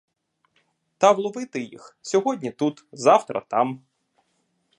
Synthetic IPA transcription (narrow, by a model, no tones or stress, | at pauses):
t̪ɐʋlˠɔʋɪt̪ɪjḭxsʲɔɦɔdʲnʲit̪ut̪zɑwt̪ɾɐ̰t̪ɑm